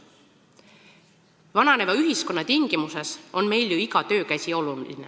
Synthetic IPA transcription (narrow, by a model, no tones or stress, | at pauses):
vɑnɑnevɑyɦisko̞nːɑt̪iŋɡ̥imuse̞so̞nme̞jljuiɡɑt̪ø̞ːkæsʲio̞lulḭne